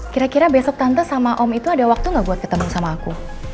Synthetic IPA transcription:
kiɾakiɾabesɔk̚t̪ant̪asamaʔɔmit̪uadawak̚t̪uŋɡabuat̪̚kə̥t̪əmusamaːku

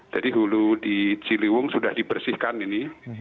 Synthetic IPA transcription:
d͡ʒadiɦuludit͡ʃiliwʊŋsudahdibərsɪhkanini

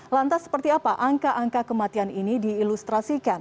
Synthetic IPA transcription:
lant̪asːə̥pərt̪iapaʔaŋkaʔaŋkakəmat̪ianinidiːlust̪ɾasikan

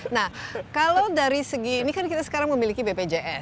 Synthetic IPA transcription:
nahkalawdaɾisəɡiːnikankit̪asə̥kaɾaŋməmilikibeped͡ʒeʔɛs

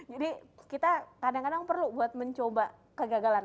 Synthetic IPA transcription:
d͡ʒadikit̪akadaŋkadaŋpərlubuat̪̚məɲt͡ʃoba | kəɡaɡalan

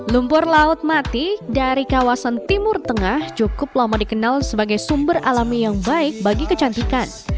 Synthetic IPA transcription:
lumpʊrlaʊt̪̚mat̪idaɾikawasant̪imʊrt̪əŋaht͡ʃukʊp̚lamɔdikənalsəbaɡajsumbəralamijaŋbaɪk̚baɡikət͡ʃant̪ikan

